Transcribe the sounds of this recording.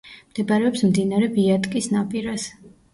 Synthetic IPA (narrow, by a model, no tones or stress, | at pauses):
md̪̥ɛbaɾɛɔpsmd̪inaɾɛbiat̪ʼkʼisnapʼiɾas